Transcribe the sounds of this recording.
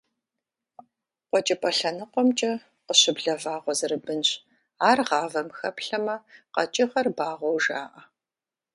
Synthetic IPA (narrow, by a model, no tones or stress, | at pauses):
qʷɔt͡ʃʼɪpʼɐɬɐnɨqʷɔmt͡ʃʼɐ | qəɕɪbɮɐvaːʁʷɔzɨrɨbɨnɕ | aːrʁɑːvɐmxɐpɬɐmɐqɐt͡ʃʼɪχɐrbaːʁʷɔwʒaːʔɐ